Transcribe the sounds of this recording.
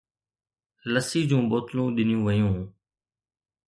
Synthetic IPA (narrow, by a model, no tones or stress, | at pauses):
ləsiːd͡ʑũːɓoːt̪lũːɗɪnɪjũːʋəjũː